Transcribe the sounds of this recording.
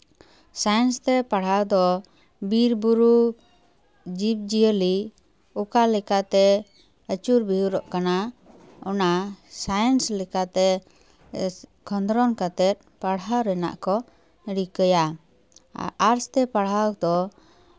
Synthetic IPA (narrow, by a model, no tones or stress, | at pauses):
sajnst̪ɛpaɽ̤awd̪ɔ | biɾbuɾu | d͡ʒip̚d͡ʒijəli | ukalɛkat̪ɛ | ət͡ʃuɾbiɦuɾɔʔkana | ɔnasajənslɛkat̪ɛ | kʰɔnd̪ɾɔnkət̪ɛt̪̚paɽawɾɛna̰ʔkɔ | ɽikəja | aɾst̪ɛpaɽ̤ɦawd̪ɔ